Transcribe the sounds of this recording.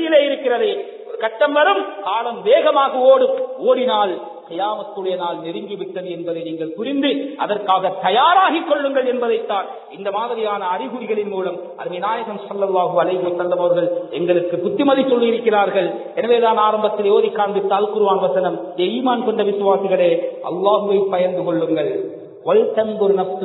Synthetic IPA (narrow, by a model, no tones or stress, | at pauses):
jɪleːɪɾɯkːɪrɐðɐ | ɔɾɯkɐʈːɐmʋɐɾɯmkaːlɐmʋeːɣɐmaːɣɐoːɽɯoːɽɪnaːl | qɪjaːmɐt̪ːɯɽɐjɐnaːlnɪɾɪŋɡɪʋɪʈːɐðɯɛnbɐðɐɪniːŋɡɐɭpʊɾɪnd̪ɯʔɐðɐrkaːɣɐt̪ːɐjaːɾaːɣikːɔɭːɯŋɡɐɭɛnbɐðɐɪt̪ːaːn | ɪnd̪ɐmaːðɐʋɐjaːnɐːrɪɣɯɽɪɣɐɭɪnmuːlɐm | ɐ̰ɾmɐjnaːjɐɣɐmsɐlːɐlˠːaːɦɯɐlɐɪɦɯʋɐsːɐllɐmɐʋɐɾɣɐɭɛŋɡɐɭɯkːɯpʊt̪ːɪmɐðɪsɔlːiɪɾɯkːɪraːɾɣɐɭ | ɛnɐʋeːðaːnaːɾɐmbɐt̪ːɪljoːðɪkːaːnd̪ɯt̪ːaːlkʊɾɯʋaːnʋɐsɐnɐm | eiːmaːnkɔɳɖrɐʋɪsɯʋaːsɪɣɐɭeːʔɐ̰lˠːaːɦɯʋɐɪpːɐjɐɾnd̪ɯkɔɭːɯŋɡɐɭ | ʋɐɻtːɐnd̪ɔɾɯnɐfsɯ